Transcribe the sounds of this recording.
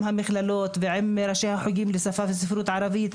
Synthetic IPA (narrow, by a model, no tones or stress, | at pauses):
mhamiχlalo̞t̪veʕemːeɾaʃehaħuɡimlesafaves̬ifɾut̪ʕaɾavit̪